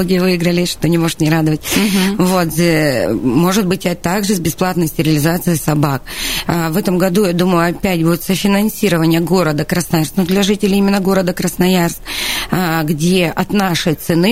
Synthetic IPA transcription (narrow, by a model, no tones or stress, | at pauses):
oɡʲɪjvɨjɪɡɾəlʲɪʂt̪o̞nʲɪmo̞ʐɨt̪nʲɪɾad̪əvət̚ʲvo̞t̪zʲ | mo̞ʐɨt̪̚bɨtʲɐt̪aɡʐɨzʲbʲɪsplˠat̪nəjsʲtʲɪɾʲɪlʲɪzat̪sɨjɪsɐbak̚vɛt̪əmɡɐd̪ujad̪uməjʊɐpʲætʲbudʲɪt̪səfʲɪnɐnsʲiɾəvənʲɪjəɡo̞ɾəd̪əkɾəsnɐjarst̪nʊd̪lʲɐʐɨtʲɪlʲɪimʲɪnːəɡo̞ɾəd̪əkɾəsnɐjarst̪ | ɡdʲe̞ʔɐt̪naʂəjt̪sɨnɨ